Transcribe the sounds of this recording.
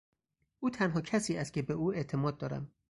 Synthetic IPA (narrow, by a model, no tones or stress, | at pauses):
ʔuːt̪ʰænɦɒːcʰæsiːæst̪̚cʰʲebeuːe̞t̪ʰemɒːd̪̚d̪ɒːɾæ̰m